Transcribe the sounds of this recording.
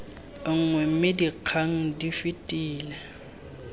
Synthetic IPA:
ŋ̩ŋwɛm̩mɪdiq͡χʰaŋ̩difitʼiːlɛ

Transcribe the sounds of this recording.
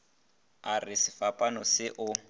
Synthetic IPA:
arɪsɪfapʼanɔsɪʔʊ

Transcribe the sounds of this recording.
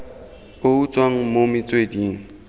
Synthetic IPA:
pout͡sʼwaŋ̩momɪt͡sʼwediːŋ̩

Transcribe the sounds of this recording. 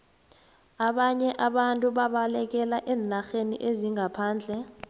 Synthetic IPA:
aɓaɲɛʔaɓantʼuɓaɓalɛk̬ɛlaʔɛːnaxenḭʔeziŋʱapʰaːnd͡ɮʱɛ

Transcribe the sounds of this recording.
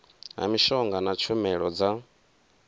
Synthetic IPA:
ɦa̰miʃɔŋɡanat͡ʃʰumɛɺɔd͡za

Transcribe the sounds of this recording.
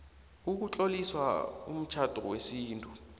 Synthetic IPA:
uk̬ut͡ɬʼoliswa̰ṵm̩t͡ʃʰad̥ʱɔwesiːntʼu

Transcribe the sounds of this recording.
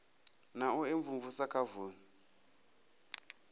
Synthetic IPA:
naueɱvuɱvusakʰavuːni

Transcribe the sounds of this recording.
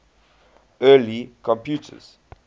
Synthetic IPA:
ɜːlikʰɔ̃mpʰjutʰə̰z̥

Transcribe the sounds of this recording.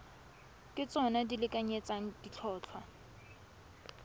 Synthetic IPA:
kʼɪt͡sʼɔnadilɪkʼaɲet͡sʼaŋ̩dit͡ɬʰɔːt͡ɬʰwa

